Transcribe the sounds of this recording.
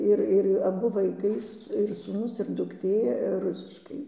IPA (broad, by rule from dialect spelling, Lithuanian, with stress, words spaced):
ˈɪr ˈɪr ɐˈbʊ ʋɐɪˈkɐɪ ɪr suːˈnʊs ɪr dʊkˈtʲeː ˈrʊsʲɪʃkɐɪ